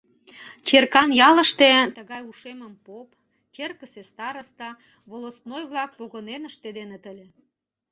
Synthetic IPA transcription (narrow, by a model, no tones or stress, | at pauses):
t͡ɕerkɑnjɑlə̆ʃt̪et̪əɣɑjuʃeməmpop | kerkəsest̪ɑɾəst̪ɑ | βolosnojβlɑk̚poɣənenəʃt̪ed̪enet̪əlʲe